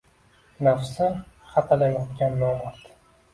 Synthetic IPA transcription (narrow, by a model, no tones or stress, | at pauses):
nafsɪχat̪ʰalajɒt̪kʲanːɒmat̪